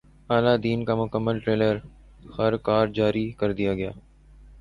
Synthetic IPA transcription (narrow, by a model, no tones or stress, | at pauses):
aːlaːd̪iːnkamʊkəmːəlʈɾeːləɾ | hɐɾkaːɾd͡ʒaːɾikəɾd̪ijaːɡɐjaː